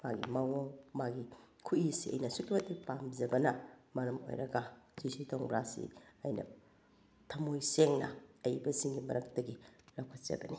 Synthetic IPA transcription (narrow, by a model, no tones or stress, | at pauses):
maɡḭmaŋoŋmaɡi | kʰuisiɐ̰jnɐsuk̚tɐtipamzɐbɐnɐmɐɾɐmo̰jɾɐɡɐzisitʰoŋbɾasḭɐjnɐ̰ | tʰɐmojseŋnɐ̰ɐjbɐsiŋɡimɐɾɐk̚tɐɡilɐwkʰɐt̚t͡ʃɐ̰bɐni